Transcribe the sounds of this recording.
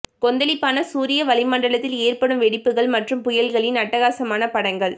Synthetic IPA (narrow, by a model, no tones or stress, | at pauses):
kɔnd̪ɐlɪpːaːnɐsuːɾɪjɐʋɐlɪmɐɳɖɐɭɐt̪ːɪleːrpɐɽɯmʋɛɽɪpːɯɣɐɭmɐʈrɯmpʊjɐlɣɐɭɪnɐʈːɐɣaːsɐmaːnɐpɐɽɐŋɡɐɭ